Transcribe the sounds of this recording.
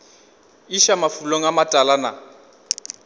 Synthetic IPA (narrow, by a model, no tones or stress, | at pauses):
iʃamafuloŋ̩amatʼalana̰